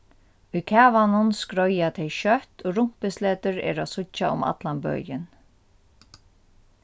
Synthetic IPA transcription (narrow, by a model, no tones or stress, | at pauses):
ujkʰæːʋanʊnskɾɔjat̪ʰɛjʃœht̪oːɾʊm̥pɪslɛːt̪ʏɹɛ̰ːɾasʊt͡ʃːaʊ̰ma̰t̪lanbœ̰ːjɪn